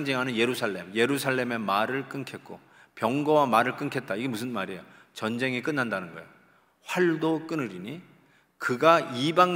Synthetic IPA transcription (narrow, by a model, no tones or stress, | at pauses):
ŋd͡ʑiŋɦanɯnje̞ɾusʰaɭːe̞mje̞ɾusʰaɭːe̞me̞maɾɯɭk͈ɯnkʰe̞t̚k͈o | pjʌŋɡʌwamaɾɯɭk͈ɯnkʰe̞t̚t͈aiɡe̞musʰɯnmaɾejo | t͡ɕʌnd͡ʑe̞ŋik̬͈ɯnːandanɯnɡʌejo | ɸwaɭdok͈ɯnɯɾiɲi | kɯɡaibaŋ